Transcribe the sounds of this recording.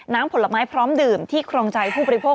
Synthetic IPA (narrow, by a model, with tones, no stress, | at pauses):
naː˦˥mpʰo˩˦la˧maː˦˥jpʰɾɔː˦˥mdɯː˨˩mt̪ʰiː˥˩kʰɾoː˧ŋt͡ɕa˧jpʰuː˥˩bɔː˧ɾi˦˥pʰoː˥˩